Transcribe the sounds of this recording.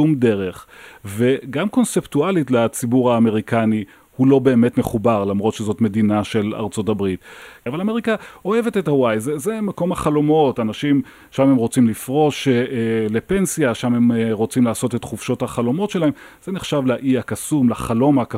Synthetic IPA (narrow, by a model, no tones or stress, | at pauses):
umde̞ʁe̞χve̞ɡamko̞nseptualitlat͡sibuʁaːme̞ʁikani | hulo̞be̞ːme̞tmeχubaʁlamʁo̞tʃezo̞tme̞dinaʃe̞la̰ʁt͡so̞tabʁitavalame̞ʁikao̞e̞vete̞thawajzezemako̞maχalo̞mo̞tanaʃim | ʃame̞mʁo̞t͡simlifʁo̞ʃle̞pe̞nsijaʃamhemʁo̞t͡simlaːso̞tetχuvʃothaχalo̞mo̞tʃe̞lahe̞mz̥eneχʃavlaʔiakasumlaχalo̞maka